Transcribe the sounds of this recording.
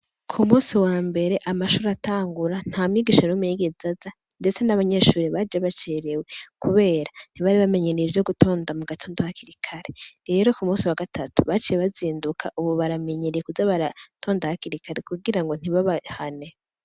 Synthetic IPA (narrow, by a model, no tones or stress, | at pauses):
kʰumuːsiwaːmbe̞ɾe̞ʔamaʃuɾataːŋɡuɾan̥haːmiɡiʃanumujiɡezaza | nde̞t͡senaβaɲe̞ːʃuːɾiβad͡ʒaβat͡ʃeɾewe̞kuβe̞ːɾan̥iβaɾiβame̞ɲeɾeivjo̞ɡutʰo̞ːndamuɡatʰo̞ːndohakiɾikʰaɾeɾe̞ɾo̞kumuːsiwaɡatʰatu̥βat͡ʃijeβaziːndukʰa̰ʔuβoβaɾame̞ɲeɾijekuzaβaɾatʰo̞ːndahakiɾikʰaɾekuɡiɾaŋɡo̞n̥iβaβahane